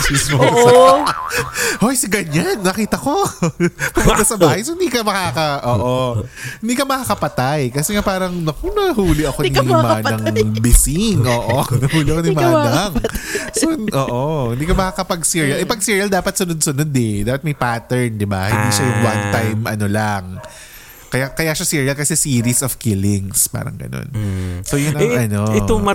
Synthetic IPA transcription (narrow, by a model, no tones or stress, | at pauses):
sɪsmo | ʔojsɪɡɐɲanːɐkiːt̪ɐko̞ | pɐmʊnt̪ɐsɐbaːhɐjsohɪnd̪iːkɐmɐkakɐʔoːʔohɪnd̪iːkɐmɐkaːkɐpɐt̪ajkɐsɛŋapaːɾɐŋnɐkonɐhuːlɪʔɐkonimanɐŋbɪsɪŋʔoːʔonɐhuːlɪɐkonimaːnɐŋsoʔoːʔohɪ̃nd̪iːkɐmɐkakɐpɐɡsiɹiɐlʔɛpɐɡ̚siːɹiɐld̪aːpɐt̪sʊnod̪̚sʊnod̪ɛd̪aːpɐt̪mɐjpaːt̪ɛɹnd̪ɪbahɪnd̪iːʃajʊŋwant̪ajmʔɐ̰no̞lɐŋ | kɐjakɐjaːʃasiːɹiɐlkɐsɛsiːɾisɔfkilɪŋspa̰ːɾɐ̰ŋɡɐ̰no̰nsojʊnɐŋɐnoɛo